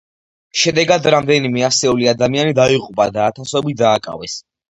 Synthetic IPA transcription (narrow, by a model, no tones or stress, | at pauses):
ʃɛd̪ɛɡad̪ɾamd̪ɛnimɛasɛuliad̪amianid̪aiqʼupʼad̪aːt̪ʰasɔbid̪aːkʼa̰vɛs